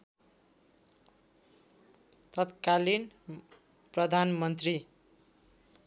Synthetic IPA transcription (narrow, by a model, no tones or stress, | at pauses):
t̪ʌt̪kalin | prʌd̪ʱanmʌnt̪ri